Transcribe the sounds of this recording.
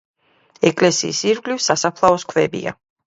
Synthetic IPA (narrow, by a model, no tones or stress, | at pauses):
ɛkʼlɛsḭːsiɾɡlifsasapʰlˠaɔskʰvɛbḭa̰